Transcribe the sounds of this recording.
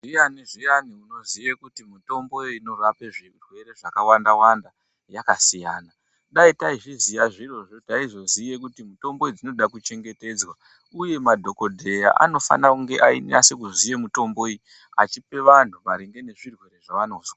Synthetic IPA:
ʐijaniʐijaniuno̞zijekutimuto̞mbo̞ino̞rape̞ʐirwe̞ɾe̞ʐakawandawanda | jakasijaːna | ɗaitaiʐizijaʐiro̞ʐo̞taizo̞zije̞k̬utimuto̞mbo̞id͡zino̞ɗakut͡ʃe̞ŋɡe̞te̞ːd͡zwa | uje̞madʱo̞ko̞dʱe̞ja̰ʔa̰no̞fa̰nakuŋɡe̞ʔaḭnasek̬uzije̞muto̞mbo̞i | a̰t͡ʃipe̞ʋan̤uʋaɾiŋɡe̞ne̞ʐirwe̞ɾe̞ʐaʋano̞ːzwa

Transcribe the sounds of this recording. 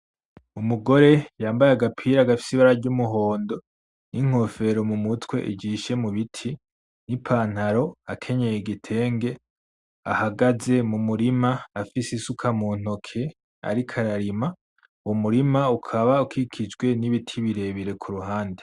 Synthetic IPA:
umuɡo̞ɾe̞jaːmbajeaɡapʰiːɾaɡafi̥siβaɾaɾɟumuɦo̞ːndo̞ | nʔiŋ̥o̞fe̞ɾo̞mumutwe̞̰ʔḭɟiːʃe̞muβitʰi | nipʰaːn̥haɾo̞akʰe̞ɲe̞jeɡitʰe̞ːŋɡe̞ | a̰haɡaze̞mumuɾimaːfisisukʰamuːn̥o̞kʰe̞ | a̰ɾikʰaɾaɾima | uwomuɾimaukʰaβaukʰikʰid͡ʒɡwe̞niβitʰiβiɾe̞βiɾe̞kʰuɾuɦaːnde

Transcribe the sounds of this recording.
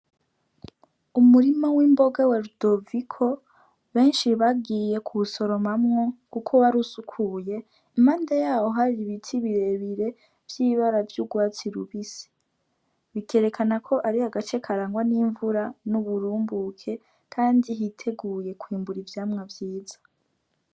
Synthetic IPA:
umuɾimawimbo̞ɡaweɾud̥o̞vikʰo̞ | βe̞ːnʃiβaɡiːje̞kʰuβuso̞ɾo̞mamŋokukʰo̞waɾusukʰuje̞ | maːndajaːho̞ɦaɾiβitʰiβiɾe̞βiɾe̞ | vjiːβaɾavjuɡwaːt͡siɾuβisi̥ | βikeɾe̞kʰanakʰo̞ʔaɾihaɡat͡ʃekʰaɾaːŋɡwaniːɱvuɾanuβuɾuːmbukʰe̞ | kʰaːndiɦitʰe̞ɡuːje̞kwiːmbuɾivjaːmŋavjiːz̥ḁ

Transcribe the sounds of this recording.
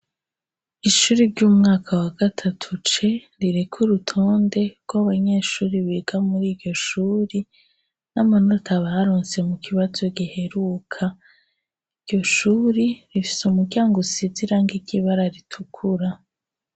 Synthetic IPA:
iʃuːɾiɾɟuːmŋaːkʰawaɡ̥atʰatʰut͡ʃe | ɾiɾe̞kʰuɾutʰo̞ːnde̞ɡ̥ɡwaβaɲe̞ːʃuːɾiβeɡamuɾiːɾɟo̞ʃuːɾi | namanotʰaβaɾoːnse̞mukiβazo̞ɡihe̞ɾukʰa | iɾɟo̞ʃuːɾiɾifi̥sumuɾɟaːŋɡosiziɾaŋɡiɟiβaɾaɾitʰukʰuɾa

